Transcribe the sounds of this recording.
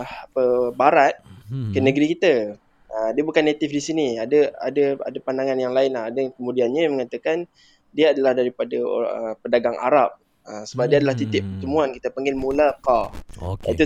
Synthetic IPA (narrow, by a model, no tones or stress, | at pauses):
hapəbaɾat̪̚kənəɡəɾikit̪a | ədiəbukanːet̪ɪfdisiniadəa̰dəa̰dapandaŋanjaŋlaɪnlahadəkəmũdianɲəməŋat̪akan | diaadalahdaɾipada̰əpədaɡaŋʔa̰ɾap̚ | əsəbap̚diəadalaht̪it̪ɪʔ̚pərt̪əmuanki̥t̪apəŋɡɪnmulakaka̰it̪u